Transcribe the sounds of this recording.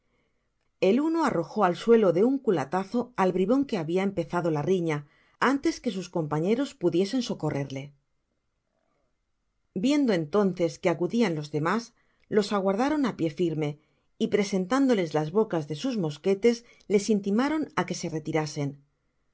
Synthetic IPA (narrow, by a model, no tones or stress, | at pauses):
e̞luno̞aro̞xo̞alswe̞lo̞ðe̞uŋkula̰t̪aθo̞alβɾiβo̞ŋke̞aβiae̞mpe̞θaðo̞lariɲa | ant̪e̞ske̞s̬usko̞mpaɲe̞ɾo̞spuðje̞se̞nso̞ko̞re̞ɾle̞ | bje̞nd̪o̞e̞nt̪o̞nθe̞ske̞akuðianlo̞zðe̞mas | lo̞saɣwaɾð̞aɾo̞napje̞fiɾme̞ | ipɾe̞se̞nt̪and̪o̞le̞zlazβo̞kazðe̞suzmo̞ske̞t̪e̞s | le̞sint̪imaɾo̞nake̞se̞re̞t̪iɾase̞n